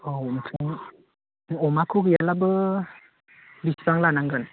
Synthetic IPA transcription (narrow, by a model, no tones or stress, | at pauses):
owntʰɯŋ | ɔmakʰɯɡijalabɯ | bisbaŋlanaŋɡɯn